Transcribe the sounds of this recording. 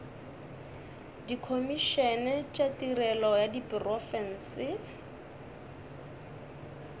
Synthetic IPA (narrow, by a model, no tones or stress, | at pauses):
dikʰomiʃɛnɛt͡ʃʼatirɛlɔjadipʼrɔfɛn̩ːsɪ